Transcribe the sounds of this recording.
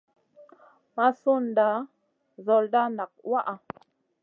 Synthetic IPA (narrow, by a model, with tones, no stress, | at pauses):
ma˦su˦nda˨˦ | zo˨lda˦na˨k̚wa˦ʔa˨